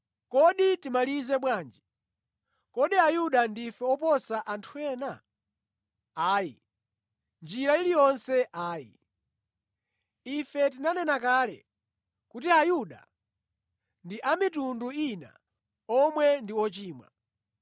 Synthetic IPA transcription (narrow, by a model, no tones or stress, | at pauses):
kɔɗitimalizɛɓwaːnd͡ʒi | kɔɗiajuɗandifɛɔpɔsaʔantʰuɛːna | aːji | nd͡ʒiɾailijɔnsɛʔaːjḭ | ifɛt̬inanɛnakaːlɛ̰ | kutiajuɗa̰ | ndiʔamitunduina̰ | ɔmwɛndiɔt͡ʃiːmwa̰